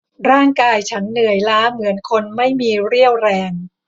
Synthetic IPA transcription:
ɾaː˥˩ŋkaː˧jt͡ɕʰa˦˥nːɯ˨˩əjlaː˦˥mɯ˩˦ənkʰo˧nma˥˩jmiː˧ɾi˥˩əwɾɛː˧ŋ

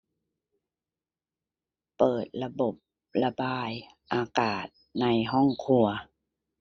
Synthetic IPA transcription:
pɤː˨˩t̪̚la˧bo˨˩p̚ | la˧baː˧j | ʔaː˧kaː˨˩t̪̚na˧jɦɔ˥˩˨ŋkʰu˧ɐ

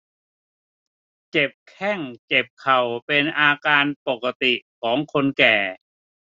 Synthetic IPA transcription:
t͡ɕe˨˩p̚kʰɛ˥˩ŋt͡ɕe˨˩p̚kʰa˨˩wpe˧nʔaː˧kaː˧npo˨˩kːa˧t̪i˨˩kʰɔː˩˦ŋkʰo˧nkɛː˨˩

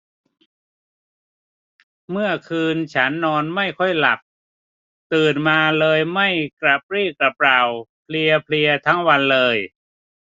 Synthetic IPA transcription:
mɯ˥˩ɐkʰɯː˧nt͡ɕʰa˦˥nːɔː˧nma˥˩jkʰɔ˥˩jla̰˨˩p̚ | t̪ɯː˨˩nmaː˧lɤː˧jma˥˩jkɾa˨˩p̚ɾiː˥˩k̚ɾa˨˩pɾa˨˩wpʰli˧ɐpʰli˧ɐt̪ʰa˦˥ŋwa˧nlɤː˧j

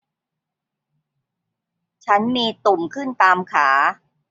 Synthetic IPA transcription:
t͡ɕʰa˦˥nmiː˧t̪u˨˩mkʰɯ˥˩nt̪aː˧mkʰaː˩˦

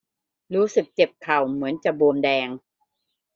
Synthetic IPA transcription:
ɾuː˦˥sɯ˨˩k̚t͡ɕe˨˩p̚kʰa˨˩wmɯ˩˦ənt͡ɕa˨˩boː˧mdɛː˧ŋ

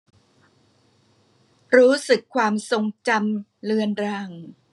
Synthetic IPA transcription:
ɾuː˦˥sɯ˨˩kʰːwaː˧mso˧ŋt͡ɕa˧mlɯ˧ənɾaː˧ŋ

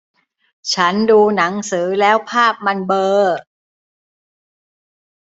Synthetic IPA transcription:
t͡ɕʰa˦˥nduː˧na˩˦ŋsɯː˩˦lɛː˦˥wpʰaː˥˩p̚ma˧nbɤː˧

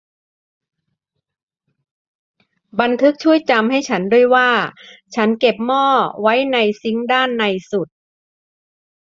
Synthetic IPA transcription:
ba˧nt̪ʰɯ˦˥k̚t͡ɕʰu˥˩əjt͡ɕa˧mha˥˩jt͡ɕʰa˦˥ndu˥˩əjwaː˥˩t͡ɕʰa˦˥nke˨˩p̚mɔː˥˩wa˦˥jna˧jsi˦˥ŋdaː˥˩nːa˧jsu˨˩t̪̚

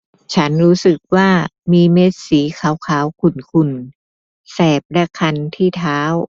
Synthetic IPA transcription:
t͡ɕʰa˦˥nɾuː˦˥sɯ˨˩k̚waː˥˩miː˧meː˦˥t̪̚siː˩˦kʰaː˨˦wkʰaː˨˦wkʰu˧˩nkʰu˧˩n | sɛː˨˩p̚lɛ˦˧˥kʰa˧nt̪ʰiː˥˩t̪ʰaː˦˥w

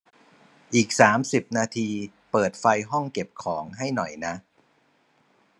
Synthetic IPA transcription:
ʔiː˨˩k̚saː˩˦msi˨˩p̚naː˧t̪ʰiː˧ | pɤː˨˩t̪̚fa˧jɦɔ˥˩ŋke˨˩p̚kʰɔː˩˦ŋɦa˥˩jnɔ˨˩jna˦˥ʔ

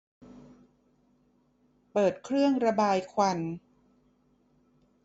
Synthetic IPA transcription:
pɤː˨˩t̪̚kʰɾɯ˥˩əŋɾa˧baː˧jkʰwa˧n

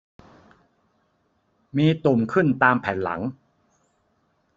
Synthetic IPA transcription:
miː˧t̪u˨˩mkʰɯ˥˩nt̪aː˧mpʰɛː˩˦nla̰˩˦ŋ

